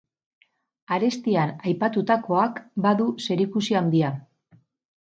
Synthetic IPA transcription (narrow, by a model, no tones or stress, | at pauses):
aɾe̞st̪ianajpat̪ut̪ako̞akbaðuse̞ɾikusiand̪ia